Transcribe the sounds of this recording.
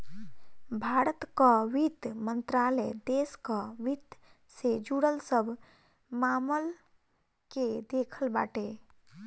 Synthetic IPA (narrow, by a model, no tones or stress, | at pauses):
bʱaːɾət̪kaʋit̪mə̃nt̪ɾaːlɛd̪eːskaʋit̪ | sed͡ʒuɽəlsəbʱ | maːməl | ked̪eːkʰəlba̰ːʈeː